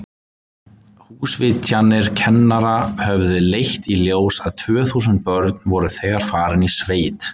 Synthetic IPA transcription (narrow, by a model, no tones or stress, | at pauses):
huːsvɪt̪ʰjanɪɾ̥cʰɛnːaɾahœvðɪlejht̪iljoːwsaðt̪ʰv̥œːθuːsʏnt̪̚pœɾt̪nvɔɾʏθɛːɣaɾfaːɾɪnisveːjt̪